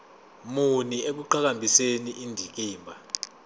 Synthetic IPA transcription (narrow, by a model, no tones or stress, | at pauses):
munieɓ̬uǃak̬ambʱiseniʔindʱik̬iːmbʱa